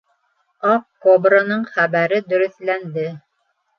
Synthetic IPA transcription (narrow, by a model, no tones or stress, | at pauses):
ɑqkobɾənɤɴχæβæɾɘd̪ɵ̆ɾɵ̆θlænd̪ɘ